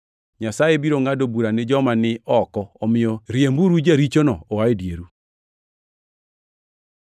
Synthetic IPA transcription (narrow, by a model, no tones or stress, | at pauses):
ɲasajebiɾoŋadobuɾanɪd͡ʒɔmanɪɔkɔɔmɪɔɾjembuɾud͡ʒeɾit͡ʃonɔowaedjeɾu